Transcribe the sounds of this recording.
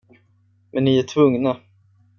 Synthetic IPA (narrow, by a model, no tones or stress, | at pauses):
mɛnːɪæʈʰvɵŋna